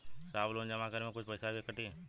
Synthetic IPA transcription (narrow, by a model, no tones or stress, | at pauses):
saːbloːnd͡ʒəmakəɾmẽkʊt͡ʃʰpəɪsakikəʈĩː